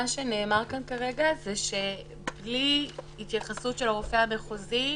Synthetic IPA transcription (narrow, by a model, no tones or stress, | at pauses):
aʃeneːmaʁkankaʁeɡazeʃe | bbli | it̪jaχasutʃelaʁofeameχozi